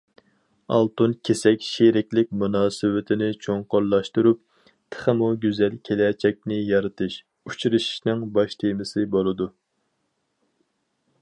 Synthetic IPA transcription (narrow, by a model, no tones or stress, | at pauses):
ɑ̰lˠt̪unkʲʰesɛkʲʃeɾɪkʲlɪk̚ʲmunɑːsɨwɪt̪ʰɪnɪt͡ʃʰoŋqoɾlˠɑʃt̪uɾup̚ | t̪ʰə̥χəmuɡʲyzɛlkʲʰelɛt͡ʃʰɛk̚ʲnɪjɑɾɨt̪ʰɨʃ | ut͡ʃʰɾɨʃi̥ʃnɨŋbɑʃt̪ʰemɪsɪbolˠɨd̪u